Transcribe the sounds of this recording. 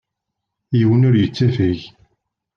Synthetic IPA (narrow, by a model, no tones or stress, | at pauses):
jiwənʊɾjət͡sːæfiʝ